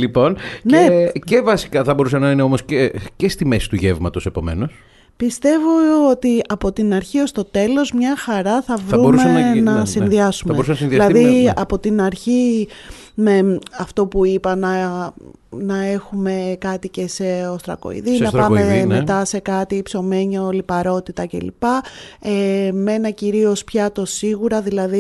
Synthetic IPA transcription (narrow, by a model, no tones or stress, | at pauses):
lipo̞nnecevɐsi̥kɐθɐbo̞ɾusɐnɐineo̞mo̞scecest̪imesi̥t̪uʝevmɐt̪o̞se̞po̞̰me̞̰no̞s | pist̪e̞voot̪iɐpo̞t̪inɐɾçio̞st̪o̞t̪e̞lo̞zmɲɐxɐɾɐθɐvɐɾuoɾumsenɐsinðiɐsumɐeous̬ɐnɐɐsinðiɐlɐððiɐpo̞t̪inɐɾçi | me̞ɐft̪o̞puipɐnɐ | nɐe̞xume̞kɐt̪ice̞se̞o̞st̪ɾɐ̰ko̞̰ḭðinɐpɐmemmet̪ɐse̞kɐt̪ipso̞me̞ɲolipɐɾo̞t̪it̪ɐce̞̰lḭpɐeme̞nɐciɾio̞spçɐt̪o̞siɣuɾɐðilɐði